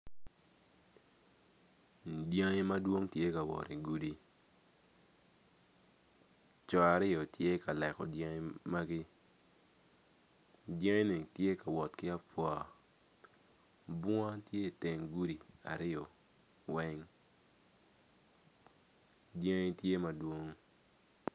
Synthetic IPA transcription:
dja˦ŋe˦ma˦dwo˦ŋtje˦ka˨wɔ̰˨ɾi˨ɡu˦di˦ | t͡ʃɔ˨a˨ɾɪ˦ɔ˨tje˦ka˨lɛ˨kɔ̰˨dja˦ŋe˦ma˦ɡɪ˦ | dja˦ŋe˦ni˨tje˦ka˨wɔ˨tkɪ˦a˦pwɔ˨ | bɔ˦a˦tje˦˨te˨ŋɡu˦di˨a̰˨ɾɪ˦ɔ˨ | wɛ˦ŋ | dja˦ŋe˦tje˦ma˨dwo˦ŋ

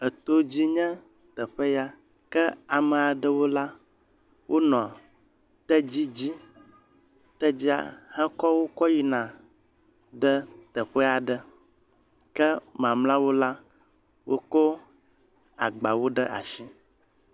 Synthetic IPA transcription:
ə˨t̪o˦d͡ʑi˦ɲɛ̃˦ | t̪ə˨ɸə˦ja˦ | kə˦a˨mə̃˨a˨ɖə˦wo˦la˦ | wʔo˦nɔ̃˨ | t̪ə˦d͡ʑi˦d͡ʑi˦ | t̪ə˦d͡ʑi˦a̰˨hɛ̃˦kɔ˦wo˦kɔ˦ji˨nã˨ | ɖə˦t̪ə˨ɸə˦a˨ɖə˨ | kə˦mã˨mlã˦wo˦la˦ | wʔo˦ko˦ | a̰˨ɡ͡ba˨wo˦ɖə˦ʔa̰˨ʃi˦

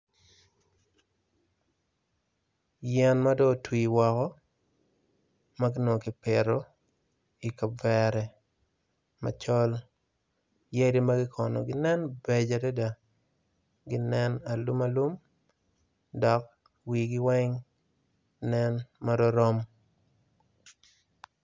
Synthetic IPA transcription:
jɛ˦nma˦dɔ˦twi˨wɔ˨kɔ˦ | ma˦ɡɪ˦no˨kɪ˨pɪ˨ɾo˨ | i˨ka˨vɛ˨ɾɛ˨ | ma̰˨t͡ʃɔ˦l | je˦di˦ma˦ɡɪ˦kʰɔ˨nɔ̰˨ɡɪ˦nɛ˦nbɛ˨d͡ʒa˨de˦da˨ | ɡi˦nɛ˦na˨lu˦ma˦lu˦m | dɔ˨k̚ | wi˨ɡi˦wɛ˦ŋ | nɛ˦nma˦dɔ˦ɾɔ˦m

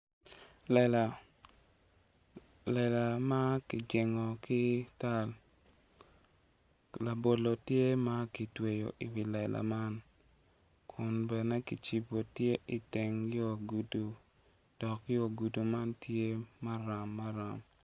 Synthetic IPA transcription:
lɛ˨la˨ | lɛ˨la˨ma˦kɪ˨d͡ʒɪ˨ŋɔ˨kɪ˦ta˦l | la˨bo˨lo˨tje˦ma˦ki˨twe˨jo̰˨ʔi˨wi˨lɛ˨lʔa̰˨ma˦n | kʰʊ˨nbɛ˨nɛ˦ki˨t͡ʃi˨bo˨tje˦ʔi˨te˨ŋjo˦˨ɡu˨du˨ | d̥ɔ˨kjo˨ɡu˨du˨ma˦ntʰje˦ma˦ɾa˨mːa˦ɾa˨m

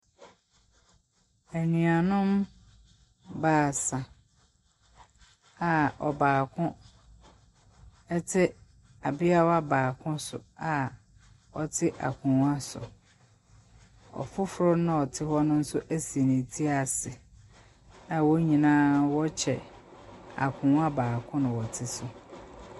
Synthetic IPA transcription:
æ˨nɥ̃a˨nʊ̃˦m | baː˨sã˨ | a˨ɔ̰˨baː˨kʰʊ̃˦ | ɛ˦tʰɪ˦ | a˨bɪ˦a˦wa˦baː˨kʰʊ̃˦sʊ̰˨a˨ | ɔ˨tʰɪ˦ʔa̰˨kʰũ˨˦a˦sʊ̰˨ | ɔ̰˨fʊ˦fʊ˨ɾʊ˦nã˦ɔ˨tʰɪ˦hɔ˦nʊ̃˦n̩˦sʊ˦ʔæ˦si˨e˨nĩ˨tʰi˦a˨sɪ˨ | nã˨wɔ˦ɲĩ˨nãː˦wɔ˦t͡ɕʰɛ̰˨ | a̰˨kʰũ˨˦a˦baː˨kʰʊ̃˦nʊ̃˨wɔ˨tʰɪ˦sʊ˨

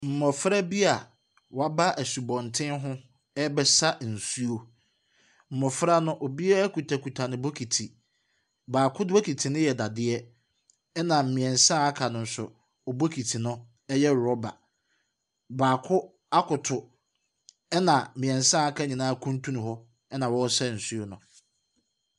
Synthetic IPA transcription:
m̩˨mɔ˨fɾa˦bi˦a˨ | wɔ˨a˦ba˦ʔæ˨su˨bɔ̃˨ntʰɪ̃˦nɦʊ̃˦ | ɛ˦bɛ˦sa˦n̩˨su˦o˨ | m̩˨mɔ˨fɾa˦nʊ̃˦ʔo˨bi˦a˦ku˨tʰa˨ku˨tʰa˨nɪ̃˨bo˦kʰi˨tʰi˨ | baː˨kʰʊ˦do˦kʰi˨tʰi˨nʊ̃˦jɛ˨da˨dɪ˦ɛ˦ | ɛ˦nã˨m̩˨mĩ˨ɛ̃˨n˨sã˦a˦kʰa˨nʊ̃˨n̩˨sʊ˨ | ɔ˨bo˦kʰi˨tʰi˨nʊ̃˦ | ɛ˦jɛ˦˨ɾɔ˦ba˨ | baː˨kʰʊ˦ | a˦kʰʊ˨tʰʊ˨ | ɛ˦nã˨mɪ̃˨ɛ̃˨n˨sã˦a˦kʰa˦ɲĩ˨nãː˦kʰũ˦n˦tʰũ˦nʊ̃˨hɔ˦ | ɛ˦nã˨wɔ˦sɛ˦˨n̩˨su˦o˨nʊ̃˨

